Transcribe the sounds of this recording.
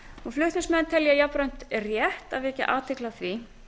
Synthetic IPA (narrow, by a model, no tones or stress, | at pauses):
uflʏht̪nɪsmɛnt̪ʰɛljajapɾœɥn̥t̪rjɛht̪avɛhcːɪ̰ʔaːt̪ʰɪklaθvi